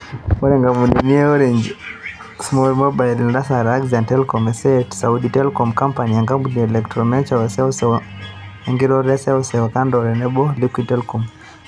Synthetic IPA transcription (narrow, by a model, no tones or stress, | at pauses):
ɔɾɛŋɡamunɛniɛɔɾɛɲd͡ʒ | smɔɾmɔbaɛlndasaɾaɡzantɛlkɔmɛsɛtsauditɛlkɔmkampaniaŋɡamunɛlɛktɾɔmɛt͡ʃawɛsɛɔsɛ | ɛŋɡiɾɔɾɛsɛɔsɛwakandɔɾɛnɛbɔlikwitɛlkɔm